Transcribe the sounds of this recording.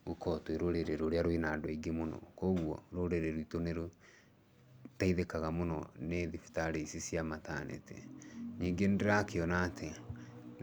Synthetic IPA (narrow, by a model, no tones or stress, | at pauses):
ukɔtweɾoɾeɾeɾoɾeaɾoinadwaiɡemonɔ̰koɣwɔɾoɾeɾeɾoitoneɾo | taiðekaɣamonɔneðifi̥taɾeisisjamatanḛtʰɛ̰ɲiːŋɡendeɾakeɔnaːtʰe